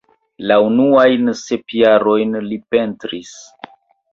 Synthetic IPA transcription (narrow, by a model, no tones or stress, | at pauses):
launuajnse̞pijaɾo̞jnlipe̞ntɾis